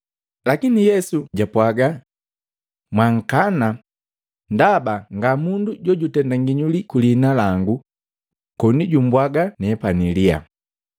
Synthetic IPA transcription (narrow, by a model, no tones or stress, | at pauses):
lakinijɛsuɟapwaɡa | mwaŋ̩kana | ndabaŋɡamunduɟɔɟutɛndaŋɡiɲulikulinalaŋɡu | kɔniɟumbwaɡanɛpanilia̰